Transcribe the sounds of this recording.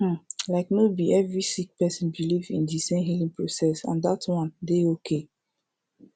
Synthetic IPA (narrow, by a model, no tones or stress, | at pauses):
laɪknobiɛvɹisik̚pɛsɔ̃nbilivḭ̃ndisẽmɦilĩŋpɹosɛsã̰ndatwɔ̃ndeokʰe